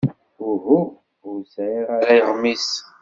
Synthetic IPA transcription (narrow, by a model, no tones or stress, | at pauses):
ʊɦu | ʊɾsʕiʁaɾæjəʁmis